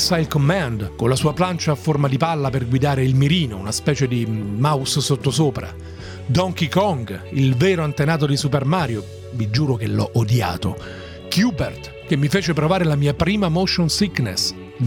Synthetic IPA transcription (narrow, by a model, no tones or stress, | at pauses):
sajlkomand̪konlasuːaplant͡ʃaːfːormad̪ipalːaperɡwid̪aːɾeilmiɾiːnounaspɛːt͡ʃed̪imaussot̪ːosoːpɾa̰ | d̪ɔŋkikɔŋɡilvɛːɾoant̪enaːt̪od̪isupermaːɾjo | vid͡ʒuːɾokelːɔ̰ʔod̪ja̰ːt̪o | kjuːbert̪ | k̟emːifeːt͡ʃepɾovaːɾelamiːapɾiːmamoʃonsiknḛs